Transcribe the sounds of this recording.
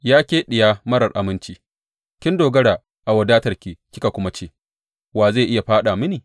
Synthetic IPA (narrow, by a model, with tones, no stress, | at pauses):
jaː˦kʲeː˦ɗɪ˨jaː˦mɐ˦ɾɐ˨rʔa˨mɪ˦nt͡ʃiː˦ | kʲɪ˦ndoː˨ɡɐ˦ɽaː˨ | ʔa˨wɐ˨daː˦tɐ˨rkʲiː˨kʲɪ˦ka˨kʷʊ˦ma˦t͡ʃeː˦˨ | waː˨zaː˦˨ʔɪ˦ja˨ɸaː˦ɗa˨mɪ˦niː˨